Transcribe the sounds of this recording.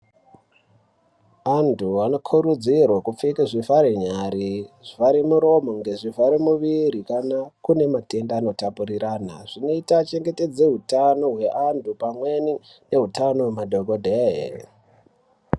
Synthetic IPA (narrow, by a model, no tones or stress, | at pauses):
antʰuano̞kʰuɾud͡zirwakup͡fikiʐifaɾeɲaɾiʐ̥ifaɾemuɾo̞mo̞ŋɡe̞ʐifaɾemuʋiɾikanakune̞mate̞ndaːno̞tapuriɾaːna̰ʐ̥ino̞itat͡ʃe̞ŋɡe̞te̞d͡ze̞ɦutano̞ɦwe̞ʔantʰupamweni | ne̞ɦutano̞wemadʱo̞ɡʱodʱeɦḛ